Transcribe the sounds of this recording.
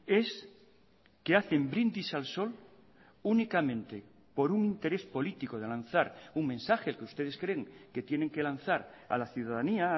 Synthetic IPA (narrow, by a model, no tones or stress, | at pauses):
e̞s | keaθe̞mbɾind̪isalso̞l | unikamẽ̞nt̪e̞ | po̞ɾuŋint̪e̞ɾe̞spo̞lit̪iko̞ð̞e̞lan̟θaɾuŋmẽ̞nsaxeːlkeust̪e̞ð̞eskɾe̞ŋke̞t̪je̞ne̞ŋke̞lan̟θaɾa̰laθjuðaðania